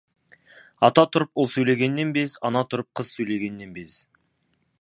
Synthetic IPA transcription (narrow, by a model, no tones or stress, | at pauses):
ɑt̪ɑt̪ʰʊɾəpolˠsɵjle̞ɡʲe̞nːe̞nbe̞sɑnɑt̪ʰʊɾəp̚qʰəzsɵjle̞ɡʲe̞nːe̞nbe̞s